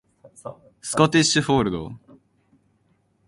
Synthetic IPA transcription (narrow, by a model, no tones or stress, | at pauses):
sɨ̥kot̪iɕɨɸoːɾɯ̟d̪o̰